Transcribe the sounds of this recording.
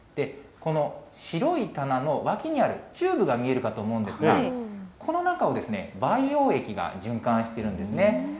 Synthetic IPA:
d̪̥e̞ko̞no̞ɕiɾo̞it̪anano̞βakʲiɲ̟iaɾɯ̟t͡ɕɨːbɯ̟ɡamʲie̞ɾɯ̟kat̪o̞ːmo̞ɯ̟̃nd̪e̞sɨɡakʰo̞no̞nakao̞d̪e̞sɨne̞baio̞ːe̞kʲiɡa̰ʑɨ̃ŋkãɰ̃ɕi̥t̪e̞ɾɯ̟̃nd̪e̞sɨne̞

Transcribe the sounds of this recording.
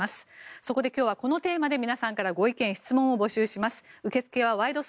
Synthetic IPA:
asɨ̥so̞ko̞d̪e̞kʲoːβako̞no̞t̪e̞ːmad̪e̞mʲinasãŋkaɾaɡo̞ikẽ̞ɰ̃çi̥t͡sɨmõ̞ɰ̃o̞bo̞ɕɨːɕimasɨ̥ɯ̟ke̞t͡sɨ̥ke̞βaβaid̪o̞s

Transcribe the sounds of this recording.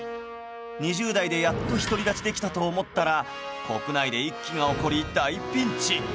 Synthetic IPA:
ɲ̟iʑɨːd̪aid̪e̞jat̪ːo̞çi̥t̪o̞ɾʲid̪at͡ɕid̪e̞kʲi̥t̪at̪oːmo̞t̪ːaɾa | ko̞kɯ̟naid̪e̞ikʲːiŋao̞ko̞ɾʲiːt̪ːaipʲːĩɲt͡ɕi

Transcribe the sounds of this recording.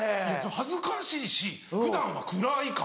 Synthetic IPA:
esohazɨkaɕiːɕi | hɯ̟d̪ãɰ̃βa̰kɯ̟ɾaikã

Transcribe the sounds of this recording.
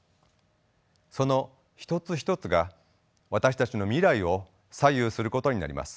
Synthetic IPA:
so̞no̞ | çi̥t̪o̞t͡sɨç̬i̥t̪o̞t͡sɨɡa | βat̪aɕi̥t̪at͡ɕino̞mʲiɾaio̞ | sajɯːsɨɾɯ̟ko̞t̪o̞ɲ̟ina̰ɾʲḭmʔa̰sɨ̥

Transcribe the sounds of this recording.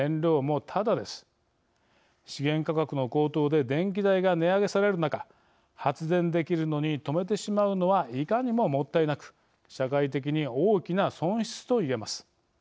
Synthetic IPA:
ẽnɾʲo̞ːmo̞t̪ʰad̪ad̪e̞sɨ̥ | ɕiɡẽ̞ŋkakakɯno̞ko̞ːt̪o̞ːd̪e̞d̪ẽ̞ŋkʲid̪aiɡane̞aɡe̞saɾe̞ɾɯ̟naka | hat͡sɨzẽ̞nd̪e̞kʲiɾɯ̟no̞ɲ̟it̪o̞me̞t̪̬e̞ɕimaɯ̟no̞βaʔikaɲ̟imo̞mo̞t̪ːainakɯ̟̥ | ɕakait̪̬e̞k̬ʲiɲ̟ioːkʲinasõ̞ɰ̃ɕi̥t͡sɨ̥t̪o̞iɡe̞masɨ̥

